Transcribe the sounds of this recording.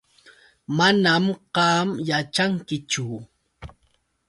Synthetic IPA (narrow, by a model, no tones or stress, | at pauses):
manamɢɑmjat͡ʃaŋkɪt͡ʃʊ